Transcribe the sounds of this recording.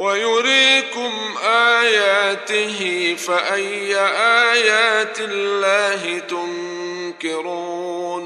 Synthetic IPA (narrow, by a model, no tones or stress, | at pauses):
wajʊɾiːkʊm | ʔaːjaːt̪ɪɦɪfaʔajːaʔaːjaːt̪ɪlːaːɦɪt̪ʊŋ | kɪɾuː | n